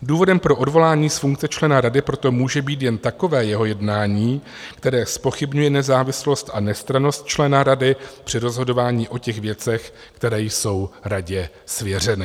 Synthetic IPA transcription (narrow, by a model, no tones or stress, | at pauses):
duːvo̞dɛmpɾo̞ʔo̞dvo̞laːɲiːsfuŋk̚t͡sɛt͡ʃlɛnaɾadɪpɾo̞t̪o̞muːʒɛbiːt̪jɛnt̪ako̞vɛːjɛɦo̞jɛdnaːɲiː | kt̪ɛɾɛːspo̞xɪbɲujɛnɛzaːvɪslo̞st̪ʔanɛst̪ɾano̞st̪̚t͡ʃlɛnaɾadɪpr̥ɪɾo̞zɦo̞do̞vaːɲiːʔo̞cɛɣvjɛt͡sɛx | kt̪ɛɾɛːjso̞wɾaɟɛ | svjɛr̝ɛnɪ